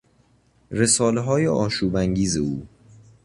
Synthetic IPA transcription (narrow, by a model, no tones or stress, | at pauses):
ɾe̞sɒːleɦɒːjeʔɒːʃuːbæŋɟiːzeuː